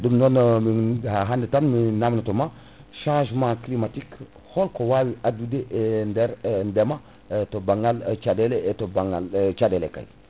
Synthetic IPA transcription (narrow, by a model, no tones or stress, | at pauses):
dumnonmihaɦandetanminamnatoma | ʃãʒmãklimatik | holkowawiʔadudeʔndɛɾndema | tobaŋɡalt͡ʃadeletobaŋɡalt͡ʃadelḛka̰j